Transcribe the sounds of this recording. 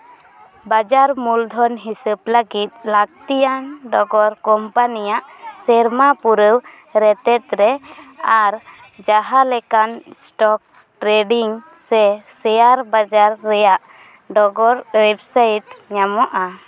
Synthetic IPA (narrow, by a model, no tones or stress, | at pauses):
bad͡ʒaɾmuld̪ʱɔnɦisəbləɡit̪̚laɡt̪ijanɖɔɡɔɾkɔmpanijaʔsɛɾmapuɾəw | ɾɛt̪ɛt̪̚ɾɛaɾ | d͡ʒaɦalɛkansʈɔk̚ | ʈɾeɖiŋsɛsɛjaɾbad͡ʒaɾːɛjaʔ | ɖɔɡɔɾwɛbsajʈɲamɔʔa